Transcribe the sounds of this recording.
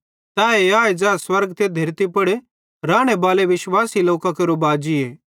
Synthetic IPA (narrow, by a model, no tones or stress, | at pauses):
t̪aːeaːed͡ʒaːswɐɾɡt̪ʰed̪ʱɐɾt̪ipɐɽ | ɾaːɽ̃ebaːleʋɪʃwaːsiloːkakeɾobaːd͡ʒieː